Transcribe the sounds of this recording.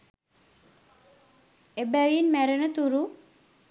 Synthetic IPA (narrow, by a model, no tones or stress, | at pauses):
ebæʋinmæɾənət̪uɾu